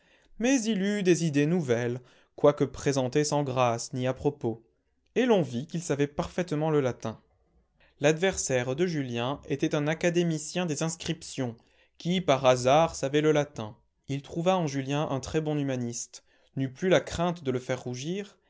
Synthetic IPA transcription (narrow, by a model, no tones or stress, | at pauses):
mɛzilyd̪ezid̪enuvɛl | kwakəpχezɑ̃t̪esɑ̃ɡʁasniapχɔpo | elɔ̃vikilsavɛpaʁfɛt̪mɑ̃ləlat̪ɛ̃ | lad̪vɛʁsɛʁd̪əʒyljɛ̃et̪ɛt̪ɛ̃nakad̪emisjɛ̃d̪ezɛ̃skχipsjɔ̃ | kʲipaʁazaʁsavɛləlat̪ɛ̃ | ilt̪χuvaɑ̃ʒyljɛ̃ʔɛ̰̃t̪χɛbɔ̃ymanist̪ | nyplylakχɛ̃t̪d̪ələfɛʁːuʒiːʁ